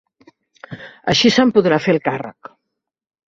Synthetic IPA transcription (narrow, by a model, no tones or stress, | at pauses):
ə̰ʃisəmpuðɾafelˠkarə̰k